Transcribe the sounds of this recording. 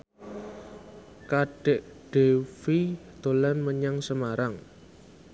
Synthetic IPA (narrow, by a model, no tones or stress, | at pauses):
kaɖ̥ɛʔɖ̥efid̪̥o̤lanməɲaŋsəmaɾaŋ